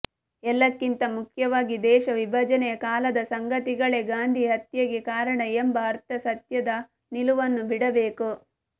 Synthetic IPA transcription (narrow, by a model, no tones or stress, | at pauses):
ɛlːɐkːint̪ɐmukʰjɐʋaːɡid̪ɛːʃɐʋibʱɐd͡ʒɐnɛjɐkaːlɐd̪ɐsɐŋɡɐt̪iɡɐɭe̞ɡaːnd̪ʱiɦɐt̪jɐɡekaːɾɐɳɐembɐːɾt̪ːɐsɐt̪jɐd̪ɐ | niluʋɐnːubiɽɐbeːku